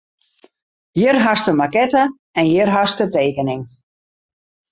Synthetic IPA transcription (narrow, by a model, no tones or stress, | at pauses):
jɪɾɦastəmakɛta | ɛnjɪɾɦastətejkənɪŋ